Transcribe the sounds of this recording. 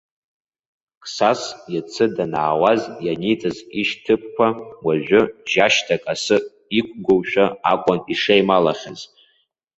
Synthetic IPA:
kʰʼsasjat͡sʰɨdanaːwazjanit͡sʼaziʃtʰɨp̚ʰkʷʰawaʒᶣʊʒaʃtʰakʼasɨ | ikʷʰʼɡʷowʃᶣaa̰kʷʼaniʂejmalaχʲaz̥

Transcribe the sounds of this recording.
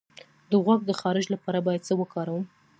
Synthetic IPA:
d̪əɣwaɡ̚d̪əxɑɾɪd͡ʒlapɑɾabɑjad̪̚t͡səwəkɑɾawəm

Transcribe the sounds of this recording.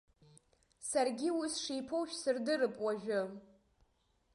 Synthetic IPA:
sarɡʲiwisʂiːpʰowʃᶣsɨrdɨɾɨpʼwaʒᶣʊ

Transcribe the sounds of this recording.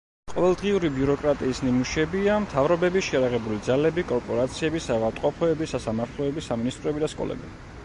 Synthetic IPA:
qʼɔvɛlˠd̪ʁiuɾibiuɾɔkʼɾat̪ʼiːsnimuʃɛbiamt̪ʰavɾɔbɛbiʃɛjaɾaʁɛbulid̪zalɛbikʼɔɾpʼɔɾat̪sʰiɛbisavat̪ʼqʼɔpʰɔɛbisasamaɾt̪ʰlˠɔɛbisaminist̪ʼɾɔɛbid̪askʼɔ̰lɛ̰bi

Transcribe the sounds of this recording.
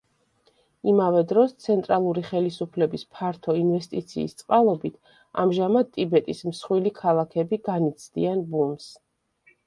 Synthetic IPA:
imavɛd̪ɾɔst̪sʰɛnt̪ʼɾalˠuɾiχɛlisupʰlɛbispʰaɾt̪ʰɔinvɛst̪ʼit̪sʰḭːst̪sʼqʼalˠɔbit̪ʰ | a̰mʒamad̪̚t̪ʼibɛt̪ʼismsχwilikʰalˠakʰɛbiɡanit̪sʰd̪ianbums

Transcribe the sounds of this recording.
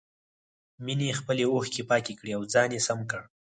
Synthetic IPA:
minexpəleoxkepɑkekɽiawd͡zɑnjesamkəɽ

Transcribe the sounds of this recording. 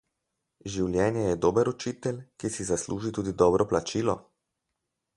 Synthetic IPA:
ʒiwljɛːnjɛjɛd̪oːbəɾut͡ʃiːt̪ɛlʲkisizasluːʒit̪uːd̪id̪ɔːbɾʔɔplat͡ʃiːlɔ

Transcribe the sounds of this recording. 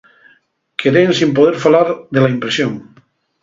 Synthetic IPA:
kʰeɾensimpoðeɾfalaɾðelaimpɾesjoŋ

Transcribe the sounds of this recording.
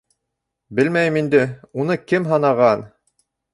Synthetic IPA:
bɘ̆lmæjɘmind̪ɘunɤkɘmɦɑnɑʁɑn

